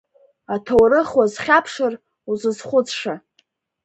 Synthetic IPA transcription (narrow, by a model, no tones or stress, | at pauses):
atʰowrɨχwazχʲapʰʂɨr | uzɨzχʷʊt͡sʰʼʂa